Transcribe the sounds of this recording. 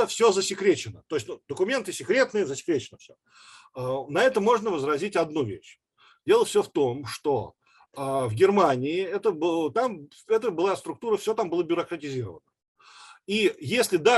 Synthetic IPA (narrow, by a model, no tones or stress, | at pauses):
əfsʲozəsʲɪkɾʲet͡ɕɪnət̪o̞jɪsʲtʲnud̪əkʊmʲe̞nt̪ɨsʲɪkɾʲe̞t̪nɨjəzəsʲɪ̥kɾʲet͡ɕɪnəfsʲo | nɐɛt̪əmoʐnəvəzɾɐzʲitʲɐd̪nuvʲḛɕ | dʲe̞lˠəfsʲoft̪o̞mʂt̪o̞ | əvɡʲɪrmanʲɪɪɛt̪əbɨt̪am | ɛt̪əbɨlˠast̪ɾʊk̚t̪uɾəfsʲot̪ambɨlˠəbʲʊɾəkɾətʲɪzʲiɾə̰vənə | ijesʲlʲɪd̪a